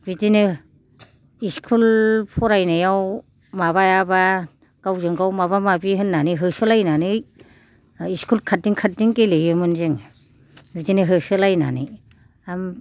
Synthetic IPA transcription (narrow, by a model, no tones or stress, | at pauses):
bitinɯ | iskʰulpʰɔɾajnajaw | maβajaba | ɡ̥awzɯŋɡawmaβamabiɦɯnːanɯɦɯsɯlajnanɯj | iskʰulkʰat̚diŋkʰat̚diŋkelejɯmɯnzɯŋ | bizinɯɦɯsɯlajna̰nɯ̰j | am